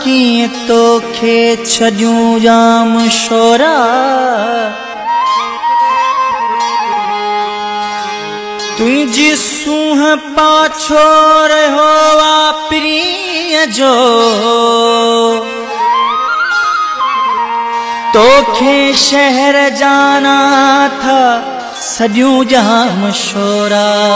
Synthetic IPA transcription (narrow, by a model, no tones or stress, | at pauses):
kĩːt̪oːkʰeːt͡ʃʰɐɗjũːd͡ʒaːmʃoːɾaː | t̪uĩd͡ʒiːsũːɦpaːt͡ʃʰoːɾɐɦoːʋaːpɪɾi | jɐd͡ʒoːɦ | t̪oːkʰeːʃɛɦɛɾd͡ʒaːnaːt̪ʰaː | sɐbijũːd͡ʒɐɦãmɐʃoːɾaː